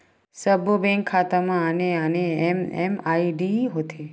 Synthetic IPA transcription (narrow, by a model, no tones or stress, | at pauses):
səbʱobɛ̃ŋkʰːat̪amãəneəneemḛmaiɖiɦot̪ʰe